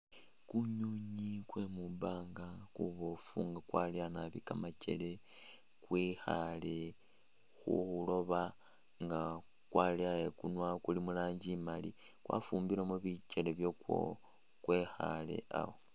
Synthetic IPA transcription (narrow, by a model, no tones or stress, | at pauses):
kuɲuɲikwemubaːŋɡakuβo̞fṵŋɡakwaljanaβikamat͡ʃe̞̰le | kwixale | xṵxulo̞βa | ŋɡa | kwaljajekunwakulimulaːɲɟimali | kwʔa̰fumbiɾamuβit͡ʃeleβjokwo̰ | kwe̞xa̰le̞̰ʔa̰wo